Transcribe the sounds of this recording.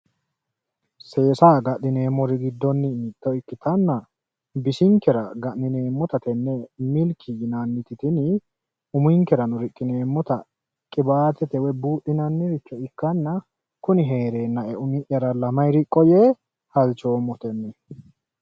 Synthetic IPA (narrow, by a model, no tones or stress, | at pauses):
se̞ːsaːɡɐʔɪne̞ːmːɔɾɪɡɪd̪ːɔnːɪːt̪ːɔɪkːɪt̪ɐnːɐ | bɪsɪŋkːɛɾɐɡɐʔnɪne̞ːmːɔt̪ɐt̪ɛnːɛmɪlkʰːɪjɪnɐnːɪt̪ɪt̪ɪnɪ | ʊmʊjŋkɛɾɐnʊɾɪkʼːɪne̞ːmːɔt̪ɐ | kʼɪbaːt̪ɛt̪ɛwɛbuːʔːɪnɐnːɪɾɪt͡ʃːɔɪkːɐnːɐ | kʊnɪɦe̞ːɾeːnːɐɛʊmɪʔjɐɾɐlɐmɐjɾɪkʼːɔjɛ | hɐlt͡ʃoːmːɔt̪ɛnːɛ